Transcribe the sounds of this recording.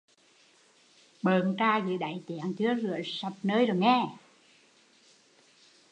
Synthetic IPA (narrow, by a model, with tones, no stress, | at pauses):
ɓəː˨˩ntaː˧zɨ̰˧˨˦ɗa̰˨˩˨jt̪i˧˩˨əŋt͡ɕɨ˨˦əzɨ˨˧˩əsa˨˩p̚nəː˧jzo˨˩jŋɛ˧˩